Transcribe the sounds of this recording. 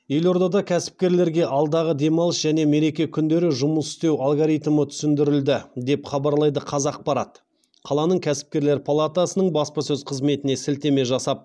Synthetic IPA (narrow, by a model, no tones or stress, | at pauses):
je̞lo̞ɾd̪ɑd̪ɑkʲʰæsɪ̥p̚kʲe̞ɾle̞ɾɡʲe̞ʔɑlˠd̪ɑʁəd̪e̞mɑlˠəsʒ̥æne̞me̞ɾe̞kʲe̞kʲʰʏnd̪e̞ɾɪʒʊməsʏ̥st̪e̞walˠɡoɾijt̪mət̪ʰʏ̥sɪnd̪ɪɾɪld̪ɪd̪e̞pχɑbɑɾlˠɑjd̪əqʰɑzɑq̚pɑɾɑt̪ | qʰɑlˠɑnəɴkʲʰæsɪ̥p̚kʲe̞ɾleɾpʰalˠat̪asənəɴbɑspɑsɵzqʰəzme̞t̪ɪne̞sɪlt̪e̞me̞ʒɑsɑp̚